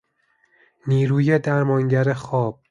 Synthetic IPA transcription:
niːɾuːjed̪æɾmɒŋɟæɾexɒːb̥̚

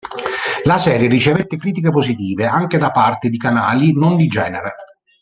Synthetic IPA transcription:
lasɛːɾjerit͡ʃevet̪ːɪkɾiːt̪ikepozit̪iːveaŋk̟ed̪apːart̪ɪd̪ikanaːlinond̪id͡ʒɛːneɾe

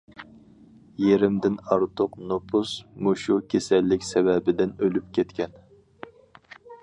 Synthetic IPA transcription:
jeɾɪmd̪ɪnɑɾt̪ʰʊqnopʰusmuʃukʲʰesɛlːɪkʲsɛvɛbɪd̪ɪnølyp̚kʲʰɛt̪kʲɛn

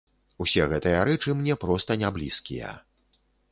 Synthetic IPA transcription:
usʲɛɣɛt̪ɨjɐɾɛt͡ʂɨmnʲɛpɾɔst̪ɐnʲablʲiskʲḭjɐ̰

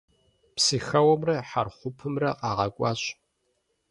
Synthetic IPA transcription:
psixɐwɐmrɐħarχʷʊpʰɨmrɐqɑːʁɐkʷʼɑːɕ

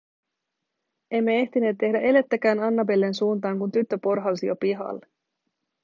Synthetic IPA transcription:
e̞mːe̞e̞ht̪ine̞ːt̪ːe̞hdæʔe̞le̞t̪ːæk̟æːnɑnːɑbe̞lːe̞nsuːnt̪ɑːŋkunt̪yt̪ːø̞po̞rɦɑusijopiɦɑ̰lːe

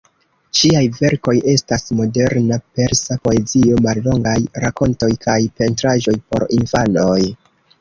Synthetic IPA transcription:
t͡ʃiajve̞ɾko̞je̞stasmo̞de̞ɾnape̞ɾsapo̞e̞zio̞malːo̞ŋɡajɾako̞nto̞jkʰajpe̞ntɾaʒo̞jpo̞̰ɾinfano̞j

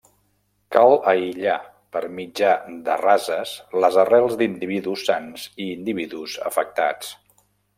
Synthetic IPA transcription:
kalˠəiʎa | pəɾmid͡ʒad̪ə̰razəsləzərɛlˠzd̪ind̪iβiðusːanziːnd̪iβ̞iðuzə̰fək̚t̪a̰t͡s

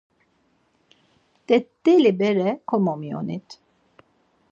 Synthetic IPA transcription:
d̪̥ɛt̪ːelibɛɾɛkʰomomio̰nit̪

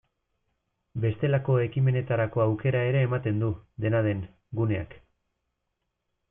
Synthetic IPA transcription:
be̞st̪e̞lako̞e̞kime̞ne̞t̪aɾako̞awke̞ɾae̞ɾe̞ːmat̪e̞nd̪ud̪e̞nað̞e̞ŋ | ɡune̞a̰k

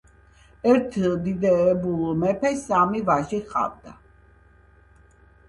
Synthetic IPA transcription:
ɛɾt̪ʰd̪id̪ɛːbulˠmɛpʰɛsamivaʒiχa̰vd̪a

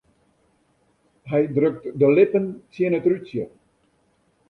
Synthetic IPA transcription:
ɦɛjdrøk̚tdəlɪpəntiənətrytjə

